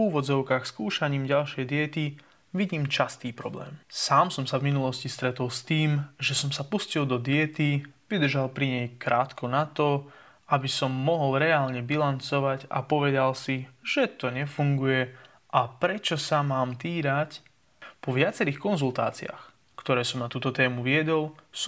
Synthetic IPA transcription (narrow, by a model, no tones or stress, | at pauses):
uːʋɔd͡zɔʊkaːxskuːʃaɲiːmɟalʃɪɛjd̪ɪɛt̪i | ʋiɟiːmt͡ʃast̪iːpɾɔ̰blɛ̰ːmsaːmsɔmsavminulɔscist̪ɾɛt̪ɔlst̪iːmʒɛsɔmsapuscilˠd̪ɔd̪ɪɛt̪iʋid̪r̩ʒalpɾiɲɛjkɾaːt̪kɔnat̪ɔ | abisɔmːɔɦɔlˠɾɛaːlɲɛbilant͡sɔʋaɟa̰pɔʋɛd̪alsiʒ̥ɛt̪ɔɲɛfuŋɡujɛ | ʔapɾɛt͡ʃɔsamaːmt̪iːɾac | pɔʋɪat͡sɛɾiːxkɔnzulˠt̪a̰ːt͡sia̰ːx | kt̪ɔɾɛːsɔmnat̪uːt̪ɔt̪ɛːmuʋɪɛd̪ɔls